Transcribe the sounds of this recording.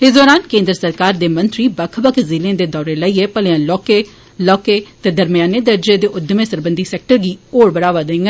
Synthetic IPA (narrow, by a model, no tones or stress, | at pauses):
ɪsd̪ɔːɾaːnkẽːnd̪ɾəsəɾkaːɾd̪eːmə̃nt̪ɾiːbəkʰbəkʰzɪlẽːd̪eːd̪ɔːɾeːləiːeːpəlejãːlɔːkeː | lɔːkeːt̪ɛːd̪əɾmɪjaːneːd̪əɾd͡ʒeːd̪eːʔʊd̪mẽːsəɾbənd̪iːsɛːk̚ʈəɾɡiːoːɽbəɽaːʋaːd̪ẽŋɡɛ